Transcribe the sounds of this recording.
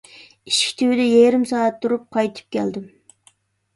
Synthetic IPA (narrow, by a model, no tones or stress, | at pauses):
iʃkʲʰi̥t̪ʰywɪd̪ɛjɛɾɪmsɑːɛt̪ʰːuɾup̚qʰɑjt̪ʰɨ̥p̚kʲɛld̪ɪm